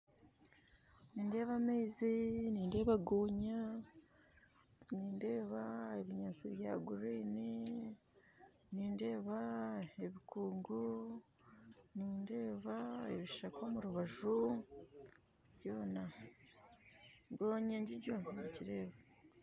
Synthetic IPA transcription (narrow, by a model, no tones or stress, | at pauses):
niːnde̞ːβameːziniːnde̞ːβaɡoːɲa | niːnde̞ːβae̞βiɲaziβja̰ːɡuɾiːni | niːnde̞ːβae̞βikuːŋɡu | niːnde̞ːβae̞βiʃakomuɾuβaʒu | ɟo̞ːna | ɡoːɲaɲɟiɟonniciɾe̞ːβa